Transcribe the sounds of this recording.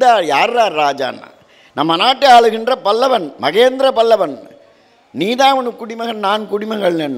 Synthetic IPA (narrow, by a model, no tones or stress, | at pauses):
ðaːjaːɾɾaːɾɾaːd͡ʒa̰ːnːa̰ː | nɐmːɐnaːʈːɯaːɭɯɣɪndrɐpɐlːɐʋɐnmɐɣeːnd̪ɪɾɐpɐlːɐʋɐn | niːðaːʋɐnɯkːʊɽɪmɐɣɐnnaːnkʊɽɪmɐŋɡɐɭnɛnː